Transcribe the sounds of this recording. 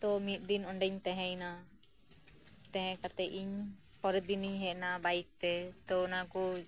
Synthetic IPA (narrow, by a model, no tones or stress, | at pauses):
t̪ɔmit̪̚ˀd̪inɔɳɖɛɲt̪ɛ̃ɦɛ̃jna | t̪ɛ̃ɦɛ̃kat̪ɛʔiɲ | pɔɾɛd̪iniɲɦɛʔnabajk̚t̪ɛt̪ɔnaku